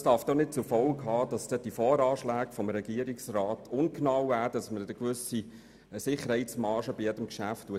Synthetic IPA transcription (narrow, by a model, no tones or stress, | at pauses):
sd̥ɑɾfd̥ɔχnɪt̚t͡sufɔlkɦɑːd̥ɑsd̥ɛd̥ifɔːɾɑːʃlæːkfɔmɾɛɡiəɾiksrɑːtʊnknɑwæːdɑsmədəkʋʏsi | sɪχəɾhɛɪtt͡smɑːʃəbijɛdəmkʃæftːuə